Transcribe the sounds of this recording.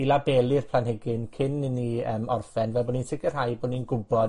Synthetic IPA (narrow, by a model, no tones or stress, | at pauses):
ilabɛːlˠɨrpʰl̥ˠanɦɪɡɪnkʰɪnɪniəːmɔrfɛnvɛlˠboninsɪɡɪr̥ɦajboninɡʊbɔd